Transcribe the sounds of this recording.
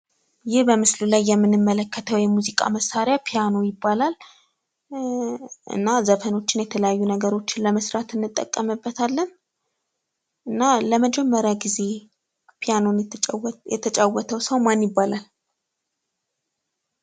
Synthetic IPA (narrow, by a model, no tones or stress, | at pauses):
jɪhbəmɨslulajːɛmːɨnɨmːələkːət̪ʰəwjɛmːuzikʼa̰məsaɾjapʰijano̞jɪbːalal | ʔɨ̰nːazəfəno̞t͡ʃːɪnjɛt̪ʰələjajːunəɡəɾo̞t͡ʃːɪnləməsɾat̪ɨnːɨt̪ʼːə̰kʼːəmɨbːət̪ʰalːən | ɨnːaləməd͡ʒɛmːəɾjaɡize̞ | pʰijano̞njɛ̰t̪ʰət͡ʃʼawət̪ʰəwsəwmanjɪbːalal